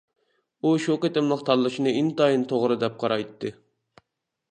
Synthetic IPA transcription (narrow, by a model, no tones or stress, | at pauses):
uʃoqet̪ɪmlˠəqt̪ʰɑllːˠɨʃinɨint̪ɑjint̪ʰoʁɾɨd̪ɛp̚qʰɑɾɑjt̪ʰːɨ